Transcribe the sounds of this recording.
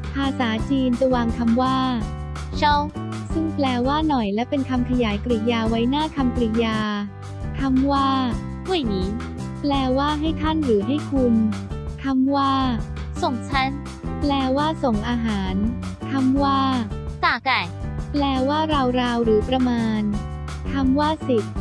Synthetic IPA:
pʰaː˧saː˩˦t͡ɕiː˧nt͡ɕa˧waː˧ŋkʰa˧mwaː˥˩˥ | t͡ɕʰɔ˦˥˩w | sɯ˥˩ŋplɛː˧waː˥˩nɔ˨˩jlɛ˦˥wpe˧nkʰa˧mkʰa˧jaː˩˦jkɾi˨˩jaː˧wa˦˥jnaː˥˩kʰa˧mkɾi˨˩jaː˧ | kʰa˧˥mwaː˥˩ | hu˥˩˨jniː˩˦˥ | plɛː˧waː˥˩ɦa˥˩jt̪ʰa˥˩nɾɯː˩˦ɦa˥˩jkʰu˧nk̪ʰa˧˥mwaː˥˩ | so˨˩ŋt͡ɕʰa˦˥˩n | plɛː˧waː˥˩so˨˩ŋʔaː˧ɦaː˩˦n | k̪ʰa˧˥mwaː˥˩t̪aː˨˩ka˨˩jplɛː˧waː˥˩ɾa˧wɾaː˧wɾɯː˩˦pɾa˧maː˧n | k̪ʰa˧˥mwaː˥˩si˨˩t̪̚

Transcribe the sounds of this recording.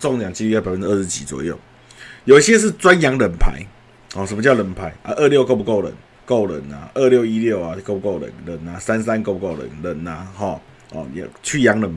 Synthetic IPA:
t͡sɔ˥˧˨ŋlja˨˩ŋt͡ɕi˧˥i˧ja˥˩pa˨˩fə˦nʈ͡ʂ̩ː˥˦˥ʂɻ̩˧t͡ɕḭ˨˩t͡swɔ̰˨˩jo˥˩ʊ | jo˨˩ʊi˦ɕjɛ˦˥ʂ̬ɻ̩˥˨t͡swa˦nja˧˦ŋlə˨˩npʰa̰˧˦ɪ | hɔ˥˨˩ʂə˨nmə˧t͡ɕjɑ˥˨ʊɾə˨˩˦npʰa˧˦ɪʔə˧˦ʔə˥˧ljo˥˧ʊko˥˧ʊp̬u˧ko˥˩ʊlə̰˨˩˦n | ko˥˩ʊlə̰˨˩na̰˨ʔə˥˧ljo˥˧ʊi˦ljo˥˨ʊa˨ko˥˩˨pu˧ko˥˩ʊlə̰˨˩˦nlə˨˩˦na˨sa˦nssa˦nko˥˧ʊpu˧ko˥˩ʊlə̰˨˦nlə˨˩˦na˨hɔ˥˨˩ | ɔ̰˨˩ja˨˧t͡ɕʰy˥˩ja˨˧˦ŋlə˨˩n

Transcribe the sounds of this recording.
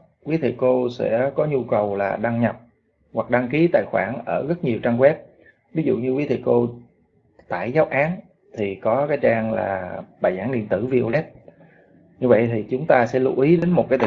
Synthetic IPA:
kwi˨˦t̪ʰḭ˧˨ko˧sɛ̰˧˥kɔ˨˦ɲu˧kə˨˩wlaː˨˩ɗa˧ŋɲə˨˩p̚ | hwa˨˩k̚ɗa˧ŋki˨˦t̪a̰ː˧˨jxwaː˧˩nʔəː˧˩ɣə˦˥t̚ɲi˨˩əwt͡ɕaː˧ŋɣwɛ˦˥p̚ | vi˨˦zṵ˧˨ɲɨ˧kwi˨˦t̪ʰḭ˧˨ko˧ | t̪a̰ː˧˩˨jzaː˨˦wʔaː˨˦n | t̪ʰi˨˩kɔ˨˦kaː˨˦jt͡ɕaː˧ŋla̰ː˨˩ɓaː˨˩jzaː˧˩ŋɗḭ˧˨ənt̪ɨ˧˩vi˧ʔo˧lɛ˦˥p̚ | ɲɨ˧və̰˧˨jt̪ʰi˨˩t͡ɕʊ˨˦ŋ͡mt̪aː˧sɛ̰˧˥lṵ˧ʔi˨˦ɗe˨˦nmo˨˩t̚kaː˨˦jt̪ʰ

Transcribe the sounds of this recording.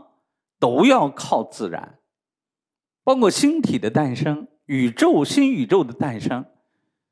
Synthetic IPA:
t̪o˥ʊjɑ˥˧ʊkʰɑ˥˧ʊt͡sɹ̩˥˩ɻa̰˧˥˦n | pɑ˥ʊkwɔ˥˩ɕi˥nt̪ʰi˨˩d̪ə˦t̪a˥˩nʂɤ˥ŋ | y˨˩ʈ͡ʂo˥˩ʊɕi˥ny˨˩ʈ͡ʂo˥˩ʊd̪ə˩t̪a˥˩nʂɤ˥ŋ

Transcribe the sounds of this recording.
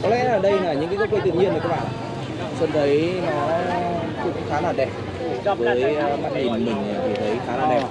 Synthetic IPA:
kɔ˨˦lɛ̰˧˥ʔəː˧˨˩ɗə˧jnaː˨˩ɲɨ̰˧˥ŋkːkə˦˥kwt̪ɨ̰˧˨ɲi˧ənlaː˨˩kaː˦˧˥ɓa̰ː˧˨ | swə˧nt̪ʰə˨˦jnɔ˨˦ | ku˨˩˨xaː˨˦naː˨˩ɗɛ˨˩p̚ | vəː˨˦jmaː˦˥t̚li˨˩m˨mï˨˩ŋ̟a˨˩vʰi˨˩t̪ʰə˨˦jxaː˨˦naː˧˨˩ɗɛ˧˩˨

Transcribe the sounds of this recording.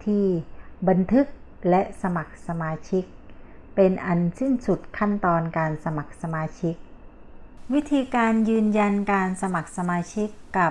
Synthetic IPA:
t̪ʰiː˧˥˩ba˧nt̪ʰɯ˦˥k̚lɛ˦˥ʔsa˧ma˨˩k̚sa˧maː˧t͡ɕʰi˦˥k̚ | pe˧nʔa˧nsi˥˩nsu˨˩t̪̚kʰa˥˩nt̪ɔː˧nkaː˧nsa˧ma˨˩k̚sa˧maː˧t͡ɕʰi˦˥k̚ | wi˦˥t̪ʰiː˧kaː˧njɯː˧nja˧nkaː˧nsa˧ma˨˩k̚sa˧maː˧t͡ɕʰi˦˥kːa˨˩p̚

